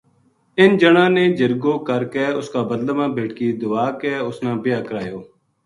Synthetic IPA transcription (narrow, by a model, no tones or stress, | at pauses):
ɪnd͡ʒəɽãːnẽːd͡ʒəɾɡõːkəɾkɛːʊskaːbəd̪ləmãːbeːʈkiːd̪ʊʋaːkɛːʊsnãːbɪjaːkəɾaːjoː